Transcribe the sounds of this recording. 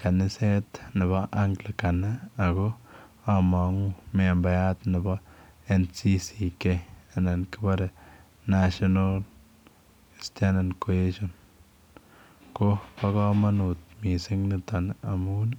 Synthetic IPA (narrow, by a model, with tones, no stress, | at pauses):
ka˨na˦se˦t̪na˨ba˦ʔa˦ŋkla˨ka˨naː˦˨ɡo˦ | a˧ma˨˦ŋ˦me˧˨mba˨ja˦t̪na˨ba˦e˧nt͡si˦si˨ke˧a˧na˨nka˦ba˦ɾa˨ | na˧ʃo˧no˦l | e˨st̪ja˦na˧nko˨e˦ʃo˧n | ko˦pa˧ɡa˦ma˦nu˨t̪mi˨se˦ŋna˧t̪a˨na˨mu˦n